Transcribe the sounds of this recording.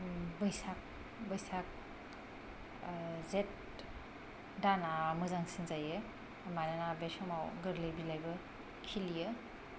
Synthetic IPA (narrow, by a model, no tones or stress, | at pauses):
bɯjsak̚ | bɐjsak̚ | zet̚ | danamɯzaŋsinzajɯː | majnanabesɔmawɡɯɾlejbilajbɐ | kʰilijɯ